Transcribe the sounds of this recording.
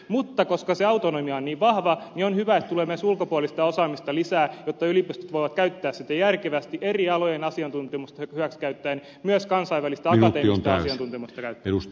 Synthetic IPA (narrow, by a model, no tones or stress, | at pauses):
mut̪ːɑkoskɑseɑut̪onomiɑonniːʋʋɑhʋɑnionhyʋæet̪t̪uleːmesulkopuɑlist̪ɑosɑːmist̪ɑlisæːjot̪ːɑylipyst̪y̥t̪ʋoiʋɑt̪kæyt̪ːæːssit̪æjærkeʋæst̪iʔeriɑlojenɑsiɑnt̪unt̪emust̪ɑhyʋækskæyt̪ːæːn | myøskɑnsɑiʋːælist̪æɑɑeːmst̪ɑssiɑnt̪unt̪emust̪ɑkæyt̪ːeus